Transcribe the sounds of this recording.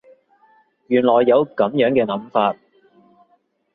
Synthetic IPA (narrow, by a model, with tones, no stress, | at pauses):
jyː˨˩nlɔː˨˩jːɐ˨˧wkɐ˨˥mjœː˨˥ŋkɛː˧nɐ˨˥mfaː˧t̚